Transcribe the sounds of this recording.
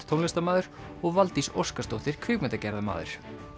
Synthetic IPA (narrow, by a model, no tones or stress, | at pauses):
t̪ʰownɛst̪amaːðʏɾ̥ | ɔɣvalt̪iso̰wskast̪ɔwht̪ɪɾ̥kʰvʏːɥpmɛt̪acɛɾðama̰ːðʏ̰ɾ̥